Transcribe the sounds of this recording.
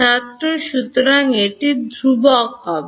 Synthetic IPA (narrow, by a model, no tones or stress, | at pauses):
at̪ɾoʃut̪ɾaŋeʈid̪ʱɾubɔkɦɔbe